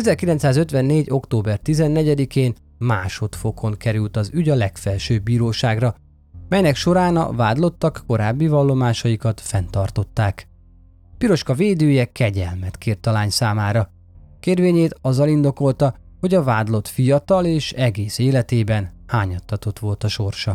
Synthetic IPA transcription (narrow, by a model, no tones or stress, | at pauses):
ɛzɛrkilɛnt̪saːzøt̪ʋɛnːeːɟo̞kt̪oːbɛrt̪izɛnːɛɟɛd̪ikeːn | maːʃo̞t̪fo̞kʰo̞ŋkɛɾylt̪ɒzyɟɒlɛkfɛlʃøːbːiːɾoːʃaːɡrɒ | mɛjnɛkʃo̞ɾaːnɒ̰vaːd̪lo̞t̪ːɒkːo̞ɾaːbːivɒlːo̞maːʃɒjikɒt̪fɛnt̪ɒrt̪o̞t̪ːaːk | piɾo̞ʃkɒveːd̪øːjɛkɛɟɛ̰lmɛt̪keːrt̪ɒlaːɲsaːmaːɾɒ | keːrveːɲeːt̪ɒzːɒlind̪o̞ko̞lt̪ɒho̞ɟɒvaːd̪lo̞t̪fijɒt̪ɒleːʃɛɡeːseːlɛt̪eːbɛnhaːɲɒt̪ːɒt̪o̞t̪ʋo̞lt̪ɒʃo̞rʃɒ